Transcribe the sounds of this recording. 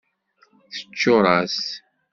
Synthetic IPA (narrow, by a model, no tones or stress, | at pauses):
θə̥t͡ʃːʊɾˤɑs